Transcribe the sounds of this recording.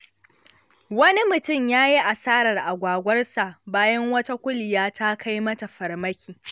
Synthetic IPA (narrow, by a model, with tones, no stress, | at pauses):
wɐ˦ni˦mʊ˨tʊ˦˨mjaː˦ji˦ʔa˨saː˦ɾɐ˨rʔa˨ɡʷaː˨ɡʷɐ˦rsa˨ʔbaː˦jɐ˦ŋwɐ˦ta˦kʷʊ˦lɪ˨jaː˦ta˦kʰa˦jmɐ˦ta˨ɸɐ˨rmɐ˦kʲiː˨